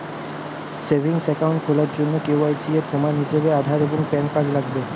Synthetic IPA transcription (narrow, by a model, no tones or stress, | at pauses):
sebʱiŋsɛkawɳʈkʰolaɾd͡ʑonːokewajsiepɾomanɦiʃebead̪ʱaɾeboŋpɛnkaɾlaɡbe